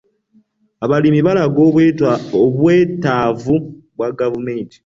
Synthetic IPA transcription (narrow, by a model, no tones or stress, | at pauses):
aβalimiβalaɡo | oβwe̞ːtaːvu | βwaɡavumeːnti̥